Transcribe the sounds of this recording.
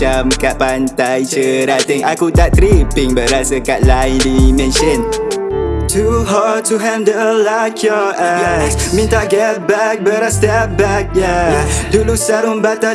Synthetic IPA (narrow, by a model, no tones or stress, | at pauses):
amkaʔ̚pant̪ajt͡ʃəɾat̪iŋakut̪aʔt̪ɾipɪŋbəɾasəkaʔlaɪlimɛ̃nʃən | tʰuɦad̚tʰuɦɛ̃ndəlaɪkʰjɔʔɛksmĩntaɡɛt̚bɛk̚bəɾastɛp̚bɛk̚jadulusaɾunbat̪a